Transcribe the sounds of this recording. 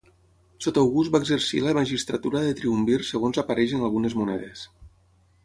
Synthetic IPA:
sot̪awɣuzt̪baeɡzəɾsḭləmaʒist̪ɾat̪uɾaðət̪ɾiumbirsəɣ̞onzapaɾɛʃənalˠɣunezmunɛ̰ðes

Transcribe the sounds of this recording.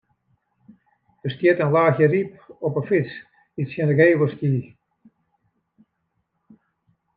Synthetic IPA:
d̥əstjitənlaːxjərip̚ɔpəfɪt͡s | isjənəɡeːʋəskiː

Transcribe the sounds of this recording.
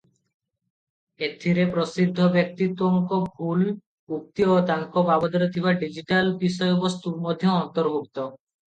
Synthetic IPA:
et̪ʰːiɾepɾosid̪ʱːobek̚t̪it̪woŋkoɡʱul | uk̚t̪iot̪aŋkobabod̪ɔɾot̪ʰiβaɖid͡ʑiʈalbisɔebost̪uɾmod̪ʱːjeɔnt̪oɾbʱuk̚t̪o

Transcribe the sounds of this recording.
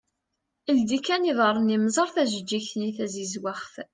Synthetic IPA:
əld̪ikæniðˤəɾˤəniməzˤɑɾˤθæʒəd͡ʒːiçniθæzizwaχf

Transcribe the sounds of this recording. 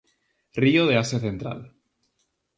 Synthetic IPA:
rioð̞easeθe̞nt̪ɾa̰l

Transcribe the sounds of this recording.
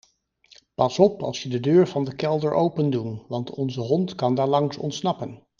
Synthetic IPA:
pɑsɔpɑ̰lˠsjədədøːɹvɑndəkɛlˠdəɹʔowpəndunʋɑntʰɔnzəɦɔntkɑndaːɹlɑŋsɔ̰ntsnɑpən

